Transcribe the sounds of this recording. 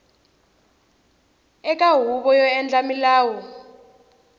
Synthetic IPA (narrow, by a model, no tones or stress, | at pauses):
ɛk̬ʼaɦuɓɔjɔɛnd͡ɮamilaːwɔ